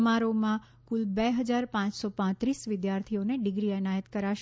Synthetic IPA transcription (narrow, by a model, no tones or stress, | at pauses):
maɾomã | kulbeɦəd͡ʒaɾpãt͡ʃsɔpãt̪ɾisʋɪd̪jaɾt̪ʰioneɖɪɡɾiənajət̪kəɾaʃ